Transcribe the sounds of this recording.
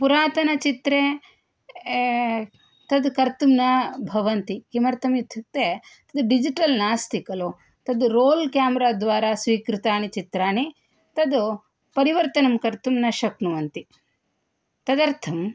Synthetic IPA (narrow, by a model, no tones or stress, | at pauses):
puɾaːt̪ɐnɐt͡ʃit̪ɾeː | t̪ɐd̪kɐɾt̪umnɐbʱɐʋɐnt̪ikimɐɾt̪ʰɐmjut̪ʰːuk̚t̪eːt̪ɐd̪uɖid͡ʒiʈɐlnaːst̪ikɐlo | t̪ɐd̪uɾoːlkjaːmɐɾaːd̪ʋaːɾaːsʋiːkɾut̪aːnit͡ʃit̪ɾaːni | t̪ɐd̪u | pɐɾiʋɐɾt̪ɐnɐmkɐɾt̪umnɐʃɐknuʋɐnt̪i | t̪ɐd̪ɐɾt̪ʰɐm